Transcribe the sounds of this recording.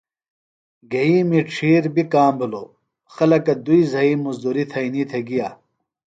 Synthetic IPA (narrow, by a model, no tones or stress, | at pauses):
ɡɐiːmiʈ͡ʂʰiːɾbikaːmbiloː | xɐlɐkɐd̪uizɐiːmɐzd̪uɾit̪ʰɐinit̪ʰeɡijaː